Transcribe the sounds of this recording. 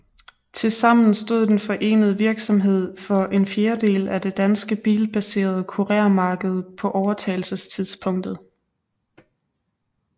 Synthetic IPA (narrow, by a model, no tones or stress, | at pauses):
t͡sʰe̝lsɑ̈m̰n̩sd̥o̝ð̰ˠd̥enfɒ̽ʔe̝̰ːnəð̞̩ˠəʋiɐɡ̥sɒ̽mɦe̝ð̞̰ˠfɒ̽ʔe̝nfjeɐd̥e̝̰ːlæd̥e̝d̥ænsɡ̥əb̥ḭːlb̥æse̝̰ːɐð̞ˠkʰuʁɛːɐmɑ̈ːɡ̥əð̞̩ˠpʰɒ̽ʔɒʊɐt͡sʰɛ̰ɪl̩səst͡sʰiðˠspʰɔ̽ŋ̰d̥ð̩ˠ